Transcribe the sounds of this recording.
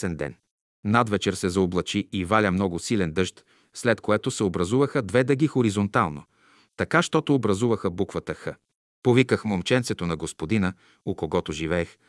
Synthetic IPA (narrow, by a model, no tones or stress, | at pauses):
ɛnd̪ɛ̰n | nad̪vɛt͡ʃɛɾsɛzɐoblˠɐt͡ʃiivalʲəmnɔɡʊsilɛnd̪ɤʃt̪ | slɛt̪koɛt̪osɛobɾɐzuvəxəd̪vɛd̪ɐɡixoɾizont̪alˠno̰ | t̪ɐkaʃt̪ɔt̪oːbɾɐzuvəxəbukvət̪əxə | povikəxmomt͡ʃɛnt̪sɛt̪onɐɡospod̪inə | okoɡɔt̪oʒivɛːx